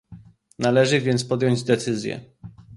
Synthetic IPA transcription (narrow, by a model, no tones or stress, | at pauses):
nalɛʐɘvʲjɛnt̪spɔd̪ʲjɔɲd͡ʑd̪ɛt̪sɘzʲjɛ̰